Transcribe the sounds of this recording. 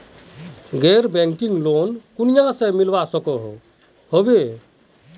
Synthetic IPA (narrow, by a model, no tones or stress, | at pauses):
ɡeɾbɛ̃ŋkiŋɡlonkunijãsẽmilbasəkɔɦo̰ | hobe